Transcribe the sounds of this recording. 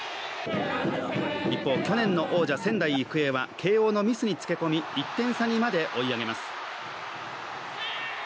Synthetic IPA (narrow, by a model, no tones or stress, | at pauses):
ɾʲipːo̞ːkʲo̞nẽ̞nːo̞ʔo̞ːʑasẽ̞nd̪aiɯkɯ̟e̞βakʰe̞ːo̞ːno̞mʲisɨɲ̟it͡sɨ̥ke̞ko̞mʲiɾʲit̪ːẽ̞ɰ̃saɲ̟imad̪e̞ʔo̞iaɡe̞masɨ̥